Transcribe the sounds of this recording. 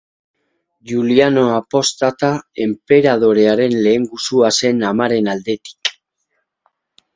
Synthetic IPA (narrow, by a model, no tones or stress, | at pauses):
juliano̞apo̞st̪at̪ae̞mpe̞ɾað̞o̞ɾe̞aɾe̞nle̞ːŋɡusuase̞namaɾe̞nald̪e̞t̪i̥k